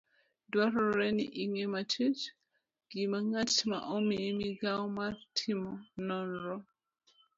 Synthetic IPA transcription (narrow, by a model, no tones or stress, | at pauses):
dwaɾɔɾɛniʔiŋɛmat͡ʃʰit | ɡ̥imaŋatma̰ʔomimiɡaɔmaɾtʰimɔnɔnɾɔ